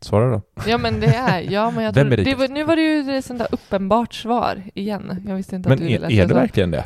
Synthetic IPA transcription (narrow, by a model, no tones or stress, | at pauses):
svɑːɾaɾdɔjɑːmɛnd̪ɛæɾjɑːmɛnjɑt̪vɛmɛɾd̪ɛvnʉ̟ːvaɾɛjɵɛsɔnd̪æ̰ːʔɵpːənbɑːʈsvɑ̰ːɾɪjɛnːjɑːɡvɪst̪əɪnt̪amɛnd̪lɛɖɛvæɾklɪɡənd̪ɛ̰